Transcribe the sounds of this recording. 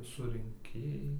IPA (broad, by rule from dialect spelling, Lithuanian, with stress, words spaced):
sʊrʲɪŋʲˈkʲeːjɛɪ